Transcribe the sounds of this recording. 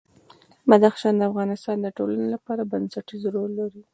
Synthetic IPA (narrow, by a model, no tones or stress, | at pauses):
mad̪axʃɑnd̪əafɣɑnɪst̪ɑnd̪əʈolanelapɑɾabansaʈizɾolːaɾi